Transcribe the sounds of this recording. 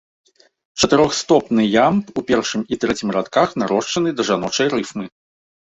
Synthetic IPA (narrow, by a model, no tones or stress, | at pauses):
t͡ʂɐt̪ɨɾɔxst̪ɔpnɨjampupʲɛrʂɨmit̪ɾɛt͡sʲimɾat̪kaxnaɾɔʂt͡ʂɐnɨd̪ɐʐanɔt͡ʂɐjɾɨfmɨ